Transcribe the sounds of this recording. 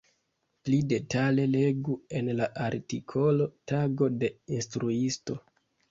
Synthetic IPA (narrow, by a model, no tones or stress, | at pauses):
plide̞tale̞le̞ɡue̞nlaʔaɾtikʰo̞lo̞taɡo̞de̞instɾuisto̞